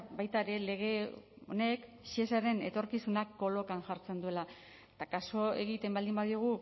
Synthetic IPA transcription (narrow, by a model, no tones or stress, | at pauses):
bajt̪aeɾe̞le̞ɣ̞e̞ | o̞̰nekʃiesaɾe̞ne̞t̪o̞ɾkisunakːo̞lo̞kanʝaɾt͡se̞nd̪ue̞la | et̪akaso̞e̞ɣit̪e̞mbald̪imbaðioɣ̞u